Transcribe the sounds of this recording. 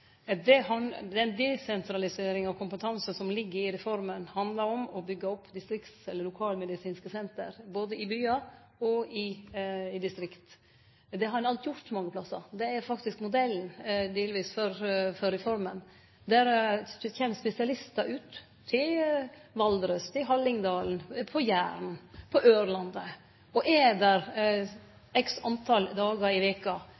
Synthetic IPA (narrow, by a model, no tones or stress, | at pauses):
d̪ɛhɑnd̪ɛnd̪ɛsɛnt̪ɾɑlɪseːɾɪŋɑʋkʰʊmpət̪ʰɑnsəsɔmlɪɡːəɾɪɾɛfɔɾmənhɑnd̪lɑɾɔmɔbʏɡːəɔpʰːd̪ɪst̪ɾɪkt̪sɛlːəɾlʊkʰɑːlmɛd̪ɪsiːnskəsɛnt̪ə̰ɾboːd̪əɪbyːɑ | ɔɪɪd̪ɪst̪ɾɪkt̪ | d̪ɛhɑɾɛnɑlt̪jʊɾt̪ɔmɑŋːəpʰlɑsːɑ̰d̪ɛæɾfɑkt̪ɪskmʊd̪ɛlnd̪eːlʋiːsfɔɾfɔɾɛfɔɾmən | d̪æɾçɛnspɛsɪɑlɪst̪ɑʔʉːt̪ʰː | ɪlʋɑld̪ɾəst̪ʰɪlɦɑlːɪŋd̪ɑːln̩pʰɔjæːɾn̩pʰɔʔøːɾlɑnd̪ə | ɔʔɛd̪æɾ | ɛksɑnt̪ʰɑld̪ɑːɡɑɪʋeːkɑ